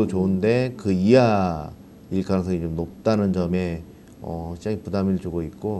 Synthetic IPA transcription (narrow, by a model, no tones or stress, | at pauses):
ot͡ɕoɯnde̞kɯia | iɭk͈aɯŋsʰʌid͡ʑomnop̚t͈anɯnd͡ʑʌme̞ | ʌ̰ɕʰid͡ʑaŋipudamiɾɯɭt͡ɕoɡoit̚k͈o